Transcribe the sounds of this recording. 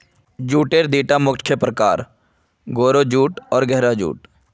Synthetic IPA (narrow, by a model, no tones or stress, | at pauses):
d͡ʒuːʈeːɾd̪iːʈamʊkʰːjəpɾəkaːɾ | ɡoːɾod͡ʒuːʈɔːɾɡɛɦɾad͡ʒṵːʈ